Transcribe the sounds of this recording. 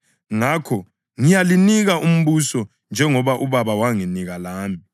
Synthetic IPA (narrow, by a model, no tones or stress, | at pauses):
ŋakʰɔ | ŋijaliniɣaʔum̩βusɔ | nd͡ʒʱɛŋɔβaʔuβaβawaŋiniɣalaːmi